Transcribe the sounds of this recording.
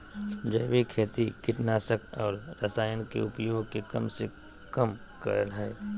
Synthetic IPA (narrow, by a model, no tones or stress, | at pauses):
d͡ʒəjʋikʰeːt̪ikɪʈnaːsəkɔːɾɾɐsaːjənkḛʊpjoːɡkekɐmse | kɐm | kə̰ɾəlɦaː